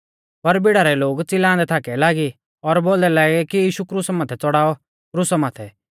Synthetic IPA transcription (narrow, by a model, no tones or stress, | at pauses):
pɐɾbɪɽaːɾɛloːɡt͡sɪlãːnd̪ɛt̪ʰaːkɛlaːɡi | ɔɾbold̪ɛlaːɡɛkijiːʃukɾusamaːt̪ʰɛt͡sɔɽaːɔ | kɾusamaːt̪ʰɛ